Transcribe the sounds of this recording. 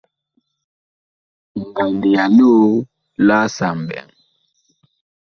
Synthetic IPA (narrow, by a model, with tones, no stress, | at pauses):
ŋ˨ɡa˨ndi˨ja˨no˦ | la˦sa˨m˨bɛ̰˨ŋ